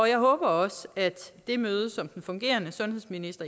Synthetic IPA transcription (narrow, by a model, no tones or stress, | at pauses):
ɒ̽jɑ̈ɪɦɔ̽ːb̥ɐɒ̽səæd̥ːe̝møːð̞ˠəsɒ̽md̥n̩fɔ̽ŋɡ̥e̝̰ːɐnəsɔ̽nhe̝ðˠsminisd̥ɐ